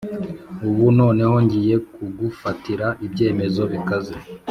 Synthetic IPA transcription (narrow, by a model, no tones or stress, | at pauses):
uβuno̞ːne̞ho̞ɲɟije̞kuɡufatiɾaʔibɟe̞ːme̞zo̞βikaze